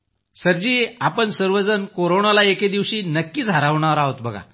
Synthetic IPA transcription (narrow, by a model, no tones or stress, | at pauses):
səɾd͡ʑiːapəɳsəɾʋəd͡zənkoɾoɳalaeked̪iʋɕiːnəkːiːt͡saɾaʋɳ̃aəɾaɦot̪bəɡʱa̰